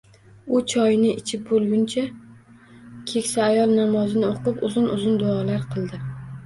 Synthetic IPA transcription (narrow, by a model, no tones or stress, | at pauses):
ʊt͡ʃʰɒjnɪɪt͡ʃʰɪp̚bolˠɡʲʊnt͡ʃʰa | kʲʰe̞kʲsaːjɒlˠnamɒzɪnɪoqɨpʊzʊnʊzʊnd̪ʊɒlaɾqʰɨlˠd̪ɪ